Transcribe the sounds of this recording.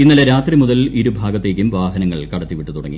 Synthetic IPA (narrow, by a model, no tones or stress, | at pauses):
inːɐleɾaːt̪rimuðɐliɾubʱaːɡɐt̪ːe̞ːk̬ʲːumʋaːɦɐnɐŋːɐɭkɐɽɐt̪ːiʋiʈːut̪uɽɐ̰ŋːḭ